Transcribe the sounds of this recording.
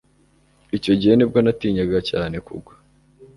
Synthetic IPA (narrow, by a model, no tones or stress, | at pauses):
ico̞ɟiheneb̚ɡonatiːɲaɡacaːne̞kṵɡwḁ